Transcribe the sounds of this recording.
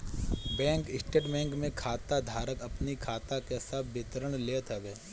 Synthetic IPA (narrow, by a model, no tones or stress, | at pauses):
bɛ̃ːŋkɪsʈeːʈbɛ̃ːŋkmẽkʰaːt̪ad̪ʱaːɾəkɐpnikʰaːt̪akeɦsabʰbɪt̪əɾəɽ̃leːt̪ɐɡeː